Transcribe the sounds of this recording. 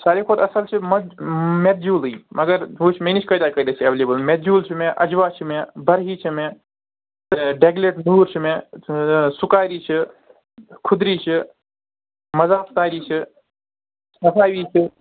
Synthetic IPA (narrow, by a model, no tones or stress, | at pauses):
saːɾiːkʰoːt̪ɐsəlt͡ʃʰiməmet̪̚d͡ʒuːliːmɐɡəɾɦuːt͡ʃʰmenit͡ʃʰkɐd̪aːkəid̪eːsiɐʋeleːbəlmet̪d͡ʒuːlt͡ʃʰimẽʔɐd͡ʒʋaːt͡ʃʰimẽbɐɾɦiːt͡ʃʰimẽ | t̪ɖeːɡleʈnuːɾt͡ʃʰimẽ | sʊkaːɾiːt͡ʃʰi | kʰʊd̪ɾiːt͡ʃʰi | mɐzaːpt̪aːɾiːt͡ʃʰi | sɐfʰaːʋiːt͡ʃʰi